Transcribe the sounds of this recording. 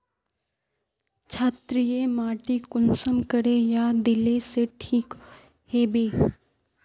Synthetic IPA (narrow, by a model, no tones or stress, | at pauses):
t͡ʃʰaːt̪ɾijemaːʈikʊnsəmkəɾejad̪ɪleseʈʰiːk | heːbeː